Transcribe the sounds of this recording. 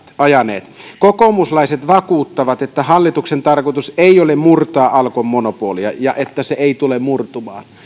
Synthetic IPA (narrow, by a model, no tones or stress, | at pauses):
ɑjɑnḛːt̪kokomuslɑiset̪ʋɑkuːt̪ːɑʋɑt̪et̪ːæhɑlːit̪uksent̪ɑrkot̪useˑiolemmurt̪oɑʔɑlkomːonopuoliɑjɑʔet̪ːæseeit̪ulemmurt̪umɑ̰ːn